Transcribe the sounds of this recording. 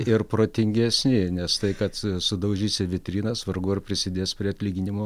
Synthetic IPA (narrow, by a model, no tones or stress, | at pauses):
ɪrpɾoːt̪ʲɪŋʲɡʲɛsʲnʲɪnʲɛst̪ɐɪkɐt̪sʊd̪ɐʊʒʲiːsʲɪʋʲɪt̪ʲɾʲiːnɐsʋɐrɡʊɪrpʲɾʲɪsʲɪd̪ʲeːspʲɾʲiɐt̪ʲlʲiːɡʲɪnʲɪmoː